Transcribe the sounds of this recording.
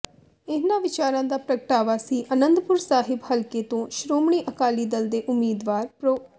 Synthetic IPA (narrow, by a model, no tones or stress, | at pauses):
ɪnãːʋɪt͡ʃaːɾãːd̪aːpɾəɡəʈaːʋaːsiːʔənənd̪pʊɾsaːɦɪbhəlkeːt̪õːʃɾoːmɳiːʔəkaːliːd̪əld̪eːʔʊmːiːd̪ʋaːɾpɾo